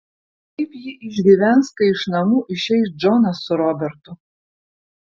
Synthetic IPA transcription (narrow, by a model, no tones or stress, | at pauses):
kɐɪpjɪʔɪʒʲɡʲiʋʲænskɐɪʃnɐmuːʔɪʃɛɪs̬d͡ʒɔnɐsʊɾɔbʲɛɾt̪ʊ